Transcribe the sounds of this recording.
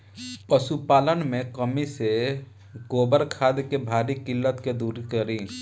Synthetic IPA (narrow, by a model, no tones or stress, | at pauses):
pəsupaːlənmẽkəmise | ɡoːbəɾkʰaːd̪kebʱaːɾikɪlːət̪ked̪uːɾkəɾĩː